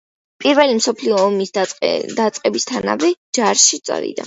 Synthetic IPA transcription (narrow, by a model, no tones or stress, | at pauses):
pʼiɾvɛlimsɔpʰliɔːmisd̪at̪sʼqʼɛbist̪ʰana̰vɛd͡ʒaɾʃit̪sʼɾḭd̪a̰